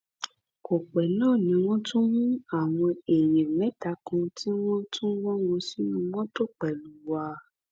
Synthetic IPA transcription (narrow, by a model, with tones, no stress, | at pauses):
ko˨k͡pɛ˨nãː˦˨nĩ˧˦w̃ɔ̃˦tũ˦mũ˦a˦˨w̃ɔ̃˧e˨j̃ɛ̃˨mɛ̃˨˦ta˨˧kũ˧tʰi˦w̃ɔ̃˦tũ˦wɔ̃˦wõ˧si˦nũ˧mɔ̃˦to˦˨k͡pɛ˨lu˨wa˧